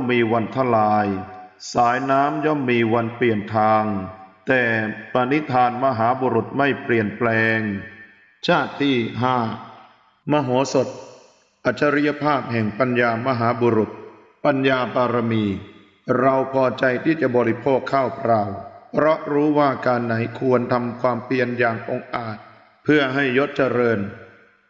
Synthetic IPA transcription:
mːiː˧wa˧nt̪ʰa˧˥˩laː˧jsaː˩˦jnaː˦˥mjɔː˥˩mːiː˧wa˧npli˨˩ənt̪ʰaː˧ŋt̪ɛː˨˩pa˧ni˦˥t̪ʰaː˧nma˧ɦaː˩˦buː˧ɾu˨˩t̪̚ma˥˩jpli˨˩ənplɛː˧ŋ | t͡ɕʰaː˥˩t̪ʰːiː˥˩ɦaː˥˩ | ma˧ɦoː˩˦so˨˩t̪̚ | ʔa˨˩t̪̚t͡ɕʰːa˧ɾi˦˥ja˧pʰaː˥˩p̚ɦɛ˨˩ŋpa˧njaː˧ma˧ɦaː˩˦buː˧ɾu˨˩t̪̚ | pa˧njaː˧paː˧ɾa˧miː˧ | ɾa˧wpʰɔː˧t͡ɕa˧jt̪ʰiː˥˩t͡ɕa˨˩bɔː˧ɾi˦˥pʰoː˥˩kʰːaː˥˩wpʰɾaː˧wpʰɾɔ˦˥ʔɾuː˦˥waː˥˩kaː˧nːa˩˦jkʰu˧ənt̪ʰa˧mkʰwaː˧mpli˧ənjaː˨˩ŋʔo˧ŋʔaː˨˩t̪̚ | pʰɯ˥˩əɦa˥˩jːo˦˥t̪̚t͡ɕa˧ɾɤː˧n

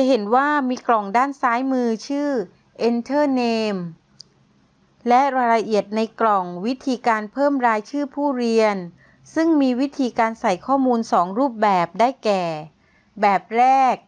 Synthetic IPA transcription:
ɦe˩˦nwaː˥˩miː˧klɔ˨˩ŋdaː˥˩nsaː˦˥jmɯː˧t͡ɕʰɯː˥˩ | ʔe˧nt̪ʰɤː˥˩neː˧m | lɛ˦˥ɾa˧ɾa˧ʔi˨˩ət̪̚na˧jklɔ˨˩ŋwi˦˥t̪ʰiː˧kaː˧npʰɤː˥˩mɾaː˧jt͡ɕʰɯː˥˩pʰuː˥˩ɾi˧ən | sɯ˥˩ŋmiː˧wi˦˥t̪ʰiː˧kaː˧nsa˨˩jkʰɔː˥˩muː˧nsɔː˩˦ŋɾuː˥˩p̚bɛː˨˩p̚daː˥˩jkɛː˨˩ | bɛː˨˩p̚ɾɛː˥˩k̚

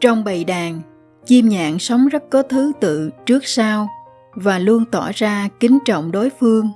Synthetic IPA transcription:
t͡ɕɔ˧wŋ͡mɓə˨˩jɗaː˨˩ŋ | t͡ɕi˧mɲa̰ː˧˨ŋsɔ˨˦wŋ͡mzə˦˥t̚kɔ˨˦t̪ʰɨ˨˦t̪ɨ̰˧˨t͡ɕɨ˦˥ək̚saː˧w | vaː˨˩lu˧ənt̪ɔ˧˩zaː˧kï˨˦ŋ̟t͡ɕɔ̰˧˨wŋ͡mɗo˨˦jfɨ˧əŋ

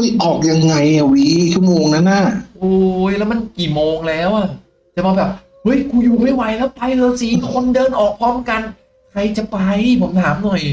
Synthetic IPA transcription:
ɤ˦˥˩jʔɔː˨˩k̚ja˧ŋːa˧ja˨˧wiː˨˦˧t͡ɕʰu˥˩˨moː˧ŋna˦˥nːa˥˩ʔoː˧jlɛː˦˥wma˧nkiː˨˩moː˧ŋlɛː˦˥wʔa˨˩ | t͡ɕa˨˩maː˧bɛː˨˩p̚ | hɤ˦˥jkʰuː˧juː˨˩ma˥˩jwa˨˦jlɛː˦˥wpa˧jɾɤː˧t͡ɕiː˨˦nkʰo˧ndɤː˧nʔɔː˨˩k̚pʰɔː˦˥˩mka˧n | kʰɾa˧jt͡ɕa˨˩pa˧jpʰo˨˩˦mt̪ʰaː˩˦mnɔ˨˩j

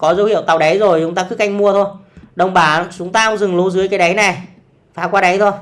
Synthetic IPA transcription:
kɔ˨˦zə˨˦whḭ˧˨əwt̪a˨˩wɗa˨˦jzo˨˩jt͡ɕʊ˨˦ŋ͡mt̪aː˧k̪ɨ˨˦˥kʔa˧jŋ̟mu˧ət̪ʰo˧jɗə˨˩wŋ͡mɓaː˨˩t͡ɕʊ˨˦ŋ͡mt̪aː˧hə˧˦wŋ͡mzɨ˨˩ŋlu˨˦zɨ˨˦əjkaː˨˦jɗa˨˦jna˨˩j | faː˨˧˩kwaː˧ɗa˨˦jt̪ʰo˧j

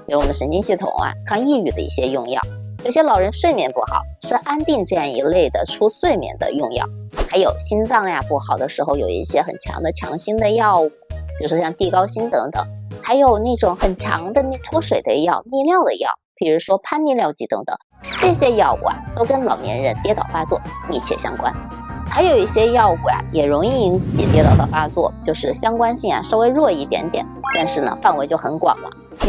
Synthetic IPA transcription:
ɪwɔ˨˩mə˦ʂə˧˥nt͡ɕi˥ŋɕi˥˩t̪ʰʊ̰˨˩ŋɐ̰˧kʰɑ˥˧ŋi˥˩y˨˩d̪ə̰˦ḭ˥˩ɕjɛ˥jʊ˥˧ŋjɑ̰˥˩ʊ | jo˨˩ʊɕjɛ˥lɑ˨˩ʊɻə˧˥nʂwe˥˩ɪmjɛ˨˩npu˥˩xɑ̰˨˩˦ʊʂɻ̩˥˧ʔa˥nt̪i˥˧ŋʈ͡ʂɤ˥˧jɑ˥˩ŋḭ˧˥le˥˩ɪd̪ə̰˩ʈ͡ʂʰu˥swe˥˩ɪmjɛ̰˨˩nd̪ə̰˧˦jʊ˥˧ŋjɑ̰˥˩ʊ | xa˧˥ɪjo˨˩ʊɕi˥nt͡sɑ˥˩ŋja˨pu˥˩xɑ˨˩ʊd̪ə˦ʂɻ̩˧˥xo˧ʊjo˨˩ʊḭ˥˩ɕjɛ˥xə̰˨˩nt͡ɕʰjɑ̰˧˥ŋd̪ə˧t͡ɕʰjɑ̰˧˥ŋɕi˥nd̪ə˨˧jɑ˥˧ʊu˥˩t͡ɕjo˥˧ʂwɔ˥ɕjɑ˥˧ŋt̪i˥˩kɑ˥ʊɕi˥nt̪ɤ˧˥ŋt̪ɤ̰˨˩˦ŋxa˧˥ɪjo˨˩ʊna˥˩ʈ͡ʂʊ˨˧˩ŋxə˨˩nt͡ɕʰjɑ̰˧˥ŋd̪ə˧n˥˧t̪ʰwɔ˥ʂwe˨˩ɪd̪ə̰˦jɑ˥˧ʊni˥˧ljɑ˥˩ʊd̪ə̰˩jɑ̰˥˩ʊpʰi˧˥ɻu˧˥ʂwɔ˥pʰa˥nni˥˧ljɑ˥˧ʊt͡ɕi˧˥˩t̪ɤ̰˧˥ŋt̪ɤ̰˨˩˦ŋ | ʈ͡ʂɤ˥˩ɕjɛ˥jɑ˥˧ʊṵ˥˩a̰˩t̪o˥ʊkə˥nlɑ˨˩ʊnjɛ̰˧˥nɻə˧˥nt̪jɛ˥t̪ɑ˨˩ʊfa˥t͡swɔ˥˩mi˥˩t͡ɕʰjɛ̰˥˩ɕjɑ̰˥ŋkwa̰˥n | xa˧˥ɪjo˨˩ʊi˥˩ɕjɛ˥jɑ˥˧ʊu˧˩a̰˨˩jɛ˨˩ɻʊ˧˥ŋi˥˩i˧˥nt͡sʰḭ˨˩t̪jɛ˧˥t̪ɑ˥˩ʊt̪ɑ˥˩fa˥t͡swɔ̰˥˩t͡ɕjo˥˧ʊʂɻ̩˥˩ɕjɑ˥ŋkwa˥nɕi˥˩ŋɐ̰˩ʂo˥˧ʊwe˧˥ɪɻwɔ˥˧i˥˩t̪jɛ̰˧˥nt̪jɛ̰˨˩˦nt̪a˥˧nʂɻ̩˥˩nə̰˨˩fa˥˩nwe˧˥ɪt͡ɕjo˥˩ʊxə˧˥nkwɑ̰˨˩ŋlə̰˦˥

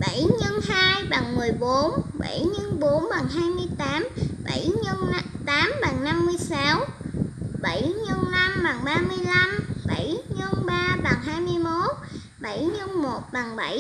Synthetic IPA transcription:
ɓə˧˩jɲə˧nhaː˧jɓa˨˩ŋmɨ˨˩əjɓo˨˦nɓa̰˧˩jɲə˧nɓo˨˦nɓa˨˩ŋɦaː˧jmɨ˧əjt̪aː˨˦mɓa̰˧˩jɲə˧n˧t̪aː˨˦mɓa˨˩ŋna˧mːɨ˧əjsa˨˦w | ɓə˧˩jɲə˧nna˧mɓa˨˩ŋɓaː˧mɨ˧əjla˧mɓə˧˩jɲə˧nɓaː˧ɓa˨˩ŋɦaː˧jmɨ˧əjmo˦˥t̚ | ɓə˧˩jɲə˧nmo˨˩t̚ɓa˨˩ŋɓə˧˩

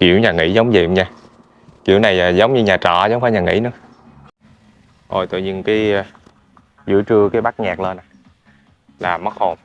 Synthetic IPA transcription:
kḭ˧˩˨əwɲaː˨˩ŋḭ˧˥zə˨˦wŋ͡mzḭ˧˨mɲaː˧ | ki˧˨əwna˨˩jaː˨˩zə˨˦wŋ͡mɲɨ˧ɲaː˨˩t͡ɕɔ̰˧˨zə˨˦wŋ͡mkaː˨˦ɲaː˨˩ŋḭ˧˥nɨ̰˧˦ə˦ | ʔo˨˩jt̪o̰˧˨ɲi˧nkaː˨˦j | zɨ̰˧˥ət͡ɕɨ˧əkaː˨˦jɓa˦˥k̚ɲaː˨˩k̚lə˧nʔa˨˩ | laː˨˩mə˦˥k̚ho˨˩m

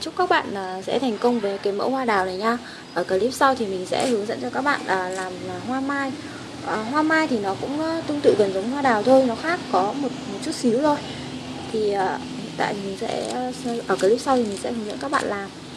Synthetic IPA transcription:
t͡ɕʊ˦˥k͡p̚kaː˦˥k̚ɓa̰ː˧˨nəː˨˩sɛ̰˧˥t̪ʰɛ˨˩jŋ̟kə˧wŋ͡mvəː˨˦jkaː˨˦jmə̰˧˥hwaː˧ɗaː˨˩wnə˨˩jɲaː˧ | ʔəː˧˩kəː˨˩li˦˥p̚sa˧wt̪ʰi˨˩mï˨˩ŋ̟sɛ̰˧˥hɨ˨˦əŋzə̰˧˥nt͡ɕɔ˧kaː˦˥k̚ɓa̰ː˧˨nʔəː˨˩laː˨˩ma˨˩ɦwaː˧maː˧j | ʔəː˨˩ɦwaː˧maː˧jt̪ʰi˨˩nɔ˨˦kʊ̰˧˥ŋ͡mt̪ʊ˧ŋ͡mt̪ɨ̰˧˨kə˨˩nzə˨˦wŋ͡mhwaː˧ɗaː˨˩wt̪ʰo˧jnɔ˨˦xaː˦˥k̚ːɔ˨˦mo˨˩t̚mo˨˩t̚t͡ɕu˦˥t̚si˨˦wzo˧j | t̪ʰi˨˩əː˨˩ | hḭ˧˨nt̪a̰ː˧˨mï˨˩ŋ̟sɛ̰˧˥˧ʔəː˧˩kəː˨˩li˦˥sa˧wt̪i˨˩mï˨˩ŋ̟sɛ̰˧˥hɨ˨˦ŋzə̰˧˥nkaː˦˥k̚ɓa̰ː˧˨nlaː˨˩m

